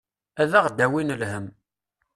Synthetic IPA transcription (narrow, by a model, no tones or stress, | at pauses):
æðæʁd̪æwinəlhəm